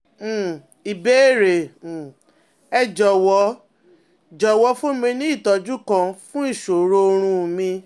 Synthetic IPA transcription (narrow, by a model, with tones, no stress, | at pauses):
i˨be˨˦˨ɾe˨ | ɛ˧˨d͡ʒɔ˨wɔ˨˦ | d͡ʒɔ˨wɔ˨˧˦fo˦mĩ˧nĩ˦i˦˨tɔ˧d͡ʒu˦kã˧fũ˦i˦˨ʃo˨ɾo˧o˧ɾ̃ũ˧˨mĩ˧